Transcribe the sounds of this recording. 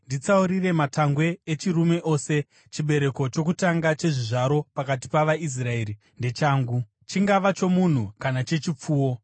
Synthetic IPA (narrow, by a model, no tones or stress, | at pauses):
ndit͡sauɾire̞mataŋɡwe̞ːt͡ʃirume̞ʔo̞ːse̞ | t͡ʃiɓe̞ɾe̞ko̞t͡ʃo̞kutaŋɡat͡ʃe̞ʐiʐaɾo̞pakat̬ipaʋais̬rae̞ɾi | nde̞t͡ʃaːŋɡu | t͡ʃiŋɡaʋat͡ʃo̞mun̤ukanat͡ʃe̞t͡ʃip͡fuːwo̞